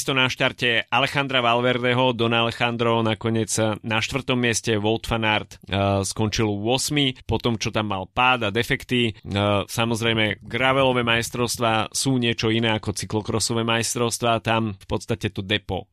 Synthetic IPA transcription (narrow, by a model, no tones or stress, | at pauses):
st̪ɔnaʃt̪aɾcɛalɛxand̪ɾaʋalʋɛɾd̪ɛɦɔd̪ɔnalɛxand̪ɾɔnakɔɲɪɛd͡znaʃt̪ʋr̩t̪ɔmːɪɛscɛʋɔlˠt̪fanaɾt̪skɔnt͡ʃilʋʊɔsmipɔt̪ɔmt͡ʃɔt̪amːalpaːd̪ad̪ɛfɛkt̪isamɔzɾɛjmɛɡɾaʋɛlɔʋɛmajst̪ɾɔʊst̪ʋaːsuːɲɪɛt͡ʃɔinɛːakɔt͡siklɔkɾɔsɔʋɛmajst̪ɾɔʊst̪ʋaːt̪amfpɔt̪st̪acɛt̪ɔd̪ɛpɔ̰